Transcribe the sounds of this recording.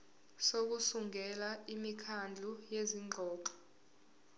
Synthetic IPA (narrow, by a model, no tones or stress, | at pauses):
sok̬usuŋʱɛlaimikʰand͡ɮʱujeziŋŋ͡ǃʱɔːǃɔ̥